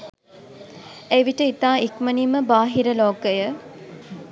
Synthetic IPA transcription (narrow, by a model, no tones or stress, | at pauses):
eʋiʈəit̪aːikməniməbaːɦiɾəloːkəjə